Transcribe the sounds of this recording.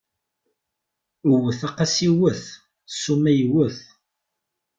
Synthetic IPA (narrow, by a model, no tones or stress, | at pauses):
əwəθɑqasiwəθ | sːumæjwəθ